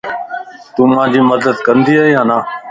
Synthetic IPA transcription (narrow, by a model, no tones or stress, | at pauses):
t̪ũːmãːd͡ʑiːməd̪əd̪kənd̪iːaːɦiːɦãːnaː